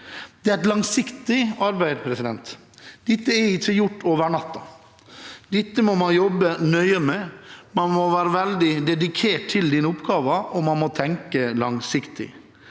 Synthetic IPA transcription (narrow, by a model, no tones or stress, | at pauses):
d̪̥ɛɾɛt̪lɑŋsɪkt̪ɪɑɾbæɪd̪pʰɾɛsɪd̪ɛnt̪ | d̪̥ɪt̪ːəɛɾɪt͡ʃːəjʊʈːoːʋəɳɑt̪ːɑ | d̪̥ɪt̪ːəmɔmɑnjɔbːənœʏəmɛmɑnmɔʋæːɾəʋɛld̪ɪd̪ɛd̪ɪkʰeːʈ̚t̪ʰːɪld̪iːnəʊpɡɑːʋəɔmɑnmɔt̪ʰɛŋkəlɑŋsɪkt̪ɪ̰